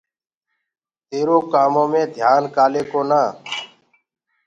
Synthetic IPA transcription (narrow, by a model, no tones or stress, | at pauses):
t̪eːɾoːkaːmõːmẽːd̪ʱjaːnkaːleːkoːnaː